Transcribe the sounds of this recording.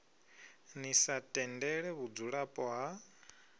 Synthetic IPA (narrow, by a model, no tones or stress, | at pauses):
nisatʼɛndɛɺɛβud͡zuɺapʼɔɦa